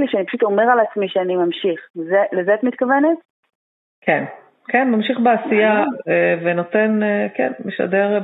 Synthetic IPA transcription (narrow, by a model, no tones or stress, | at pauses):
liʃeanipaʃuto̞me̞ʁalat͡smiʃeanimamʃiχlezelezeat̪mit̪̚kavenet | ken | kenmamʃiχbeasijaeveno̞t̪enekḛnmiʃa̰deʁ